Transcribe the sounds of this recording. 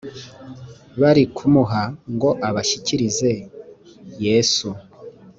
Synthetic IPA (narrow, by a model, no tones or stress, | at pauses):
βaɾikʰumuɦaŋɡo̞ʔaβaʃiciɾize̞ | je̞ːsu